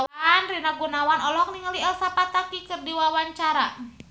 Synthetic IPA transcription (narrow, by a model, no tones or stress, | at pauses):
nrinaɡunawanɔlɔk̚niŋəliɛlsapat̪akikɨrdiwawaɲt͡ʃaɾa